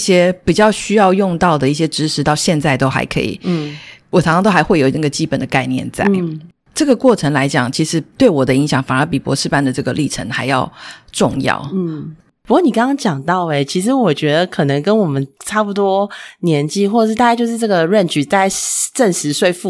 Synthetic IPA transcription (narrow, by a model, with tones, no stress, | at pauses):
ɕjɛ˥pi˨˩t͡ɕjɑ˥˧ʊɕy˥jɑ˥˧ʊjʊ˥˧ŋt̪ɑ˥˩ʊd̪ə˩i˥˩ɕjɛ˥ʈ͡ʂɻ̩˧˥ʂʰɻ̩˧˥t̪ɑ˥˧ʊɕjɛ˥˧nt͡sa˥˩ɪt̪o˥ʊxa̰˧˥ɪkʰɤ̰˧˥ḭ˨˩˥wɔ˨˩˨ŋʰʂɑ˥t̪o˥xa˧˥ɪxwe˥˩ɪjo˨˩ʊn˥˩ɡə˩t͡ɕi˥pə˨˩nd̪ə˦ka˥˧ɪnjɛ̰˥˧nt͡sa̰˥ɪ˩ | ʈ͡ʂɤ˥˩ɡə˩kwɔ˥˩ʈ͡ʂʰə˧˥ŋla˧˥ɪt͡ɕjɑ˨˩ŋt͡ɕʰi˧˥ʂɻ̩˧˥t̪we˥˩ɪwɔ˨˩d̪ə˦i˧˥ŋɕjɑ˨˩˦ŋfa˨˩ə˧˥pi˨˩pwɔ̰˧˥ʂɻ̩˥˧pa˥˧nd̪ə˨ʈ͡ʂɤ˥˩ɡə˩li˥˩ʈ͡ʂʰə̰˧˥ŋxa˧˥ɪjɑ̰˥˧ʊʈ͡ʂʊ˥˧ŋjɑ̰˥˩ʊ˥˩ | pu˧˥kwɔ˥˩ni˨˩kɑ̃˥ŋkɑ˥ŋt͡ɕjɑ˨˩ŋt̪ɑ˥˩ʊe˨˩ɪt͡ɕʰi˧˥ʂ̬ɻ̩˧˥wɔ˨˩t͡ɕɥɛ˧˥d̪ə˧kʰɤ˨˩nɤ˧˥ŋkə˥nwɔ˨˩mə˦nʈ͡ʂʰa˥˩pu˧˩t̪wɔ˥njɛ˧˥nt͡ɕi˥˧xwɔ˥˩˧ʂɻ̩˥˩t̪a˥˧˥t͡ɕjo˥˧ʊʂɻ̩˥˧˩ʈ͡ʂɤ˥˩ɡə˨˩ɻə˥˩nt͡ɕy˨˩t͡sa˥˧ɪʈ͡ʂə˥˩nʂɻ̩˧˥swe˥˧ɪfu˥˩